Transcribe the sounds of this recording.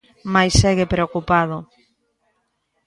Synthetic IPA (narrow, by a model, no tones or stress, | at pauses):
majsɛɣepɾeokupað̞ʊ